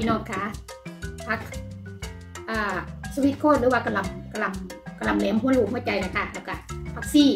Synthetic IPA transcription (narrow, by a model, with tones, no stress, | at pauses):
i˧nɔː˧˩t̪̚kʰa˧˥ | pʰa˧˥k̚ | ʔaː˧˩sa˧wi˧˦t̪̚kʰoː˧˥˩lɯː˦waː˧ka˧˩la˧˩mka˧˩la˨˧˩mka˧˩la˨˩mlɛː˧˦mhʰu˧˥˨nluː˧˩˨khu˧˥˩t͡ɕa˧jna˧˩kʰa˦˧˩lɛː˧˩wka˧˩pʰa˧˥k̚siː˧˩